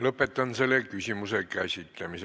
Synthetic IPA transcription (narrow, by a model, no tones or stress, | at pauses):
lɤpːˑet̪ːɑnselːekysʲimusekæsʲit̪ːˑæmise